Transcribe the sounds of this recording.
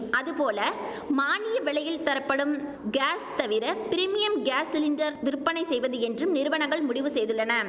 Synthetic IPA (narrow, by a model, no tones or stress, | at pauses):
ʔɐðɯpoːlɐ | maːnɪjɐʋɪɭɐjɪlt̪ɐɾɐpːɐɽɯm | ɡaːst̪ɐʋɪɾɐpɪɾɪmɪjɐmɡaːsɪlɪndɐɾʋɪɾɯpːɐnɐɪsɛjʋɐðɯɛndrɯmnɪɾɯʋɐɳɐŋɡɐɭmʊɽɪʋɯsɛjðɯɭːɐnɐ